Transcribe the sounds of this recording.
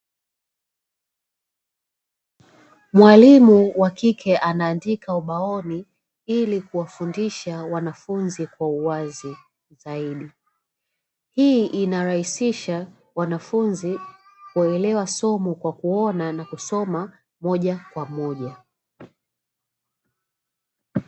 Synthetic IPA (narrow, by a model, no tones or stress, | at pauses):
mwalimuwakikʰɛʔanaːndikauɓaɔni | ilikuwafundiʃawanafunzikwauwazi | zaiɗi | hiːʔinaɾahisiʃa | wanafunzi | kuɛlɛwasɔmukwakuɔnanakusɔma | mɔʄakwamɔʄa